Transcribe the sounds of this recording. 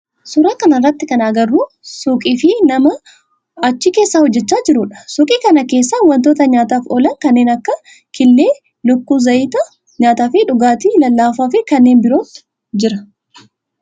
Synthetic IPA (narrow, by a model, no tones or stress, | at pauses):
sʊɾaːkɐnɐrːɐt̪ːɪkɐnɐɐɡɐrːuː | sʊkʼiːfɪnɐmɐ | ɐt͡ʃːiːke̞ːsːaːhɔd͡ʒːɛt͡ʃːaːd͡ʒɪɾʊᶑɐ̥sʊkʼiːkɐnɐke̞ːsːawɐnt̪̬oːt̪ɐɲaːt̪aːfɔlɐŋkɐnːe̞ːnɐkːɐ | kʰɪlːeː | lʊkːuːzɐʔiːt̪ɐ | ɲaːt̪aːfɪᶑʊɡaːt̪ilɐlːaːfaːfɪkɐnːe̞ːnbɪɾo̞ːt̪ | d͡ʒɪɾɐ